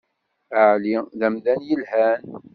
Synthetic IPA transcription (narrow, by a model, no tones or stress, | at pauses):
əʕliðæmðænjəlhæn